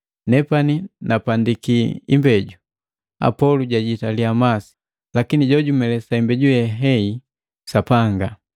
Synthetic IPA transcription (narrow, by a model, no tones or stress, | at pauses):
nɛpaninapandikiḭmbɛɟu | a̰pɔluɟaɟitaliamasi̥ | lakiniɟɔɟumɛlɛsaimbɛɟujɛɦɛi | sapaŋɡa